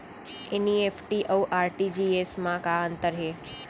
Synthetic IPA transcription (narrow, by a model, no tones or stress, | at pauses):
eniefʰʈiʔəwʔaɾʈid͡ʒiesmãkaənt̪əɾɦe